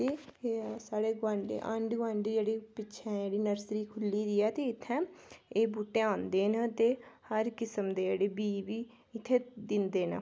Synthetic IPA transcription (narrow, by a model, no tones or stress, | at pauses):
t̪eːsaːɽeːɡãːɳɖḛːʔə̰ɳɖɡãːɳɖeːd͡ʒeːɽiːpɪːʃʰɛ̃ːd͡ʒeːɽiːnəɾsɾiːkʰʊlːiːd̪iːɛːt̪eːɪt̪ʰːɛ̃ːeːbuːʈeːãːnd̪eːnət̪eːhəɾkɪsəmd̪eːd͡ʒeːɽeːbiːbiː | ɪt̪ʰːeːd̪ɪnd̪eːnə̰